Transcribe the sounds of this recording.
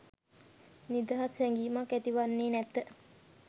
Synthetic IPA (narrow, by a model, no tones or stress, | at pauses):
nid̪aɦashɛŋɡiːmakːæt̪iʋanːeːnɛt̪ːə